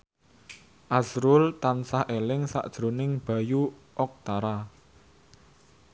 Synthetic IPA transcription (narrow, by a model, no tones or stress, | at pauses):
ʔazɾʊlt̪ansahʔelɪŋsa̰ʔd̥ʒ̥ɾonɪŋb̥a̤ju | ʔɔk̚t̪aɾa